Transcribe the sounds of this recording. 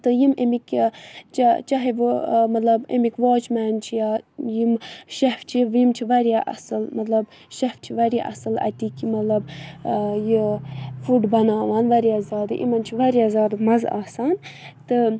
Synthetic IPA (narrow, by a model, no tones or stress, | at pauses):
t̪ɨjimʔemikt͡ʃt͡ʃɐɦiʋmɐt̪lɐbḛmikʋoːt͡ʃmaːnt͡ʃʰijaːjimʃɐft͡ʃʰiʋimt͡ʃʰiʋɐɾʲjaːʔɐ̰sɨlmɐt̪lɐb | ʃɐft͡ʃʰiʋɐɾʲja̰ʔɐ̰sɨlɐ̰t̪ikimɐt̪lɐb | jifuɖbɐnaːʋaːnʋɐɾʲjaːzʲaːd̪ɨʔḭmɐnt͡ʃʰiʋɐɾʲjaːzʲaːd̪ɨmɐza̰ːsaːn | t̪ɨ